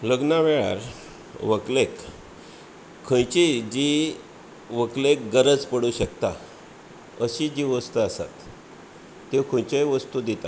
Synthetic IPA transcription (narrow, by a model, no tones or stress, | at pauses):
ləɡnaʋeɭa̰ɾ | ʋəklek | kʰːə̃jt͡ɕid͡ʑi | ʋəklek̚ɡəɾət͡spəɽuɕəkt̪a | əɕid͡ʑiʋəst̪uasa̰t̪ː | ekʰə̃jt͡ɕejʋəst̪ud̪it̪a̰